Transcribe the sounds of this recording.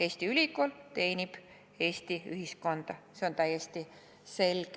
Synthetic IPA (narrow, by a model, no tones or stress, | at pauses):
e̞ːst̪iylʲikolt̪e̞ːnʲib̥ | e̞ːst̪iyɦisko̞nd̪̥ɑse̞o̞nt̪æjest̪i | se̞lʲɡ̥